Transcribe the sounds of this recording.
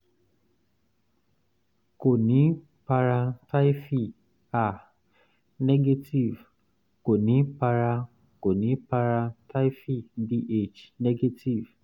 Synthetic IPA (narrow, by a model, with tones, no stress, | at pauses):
ko˨nĩ˨˦ | pa˧ɾa˧ta˦jfi˦˨ | a˦˨ | ne˦ɡe˦ti˦˨v | ko˨nĩ˨˦pa˧ɾa˧ | ko˨nĩ˨˦pa˧ɾa˧ta˦fi˦˨di˧˦ʔe˦˨t͡ʃne˦ɡe˦ti˦˨v